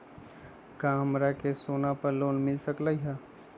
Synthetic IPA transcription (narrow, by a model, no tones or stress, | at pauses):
kaːmɾakesoːnapɐɾloːnmɪlsəklaiɦa